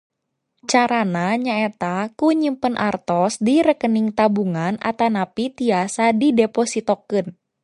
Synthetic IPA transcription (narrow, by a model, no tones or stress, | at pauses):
t͡ʃaɾanaɲaɛt̪akuɲimpənʔart̪ɔsdiɾəkəniŋt̪abuŋana̰t̪anapit̪iasadidɛpɔsit̪okɨn